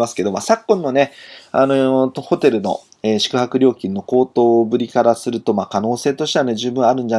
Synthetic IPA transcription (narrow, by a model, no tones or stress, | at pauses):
masɨ̥ke̞d̪o̞ma̰ːsakːõ̞nːo̞ne̞a̰not̪oho̞t̪e̞ɾɯ̟no̞̰ | eːɕi̥kɯ̟hakɯ̟ɾʲo̞ːkʲĩnːo̞ko̞ːt̪o̞ːbɯ̟ɾʲikaɾasɨɾɯ̟t̪o̞maːkano̞ːse̞ːt̪o̞ɕi̥t̪e̞ane̞d͡ʑɨːbɯ̟ɰ̃aɾɯ̟̃ɲ̟d͡ʑa